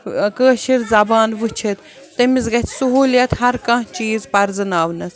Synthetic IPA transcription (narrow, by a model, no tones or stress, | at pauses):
kəːʃiɾzɐbaːnʋɨt͡ʃʰit̪ | t̪ɐmizɡɐt̪ʰsuɦuːljɐt̪ɦɐɾkɐ̃ɦt͡ʃiːzpɐɾzɨnaːʋnɐs